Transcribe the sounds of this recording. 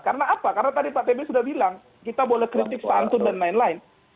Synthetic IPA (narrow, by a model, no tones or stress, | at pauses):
kaɾənaːpakaɾənat̪adipat̪ebesudahbilaŋ | kit̪abolɛhkɾit̪ɪk̚sant̪ʊndanlaɪnlaɪn